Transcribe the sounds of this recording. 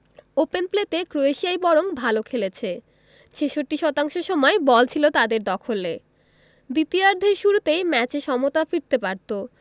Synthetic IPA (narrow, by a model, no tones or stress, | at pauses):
openpletekɾoeʃiajbɔɾoŋbʱalokʰelet͡ɕʰe | t͡ɕʰeʃoʈːiʃɔt̪aŋʃoʃɔmɔebɔlt͡ɕʰilot̪ad̪eɾd̪ɔkʰole | d̪it̪iaɾd̪ʱeɾʃuɾut̪ejmɛt͡ɕeʃɔmot̪afiɾt̪epaɾt̪o